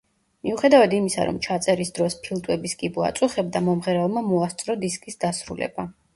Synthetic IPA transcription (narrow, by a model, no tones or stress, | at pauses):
miuχɛd̪avad̪imisa̰ɾɔ̰mt͡ʃʰat̪sʼɛɾisd̪ɾɔspʰilˠt̪ʼwɛbiskʼibua̰t̪sʼuχɛbd̪amɔmʁɛɾɛlˠmamɔast̪sʼɾɔd̪iskʼisd̪asɾṵlɛ̰ba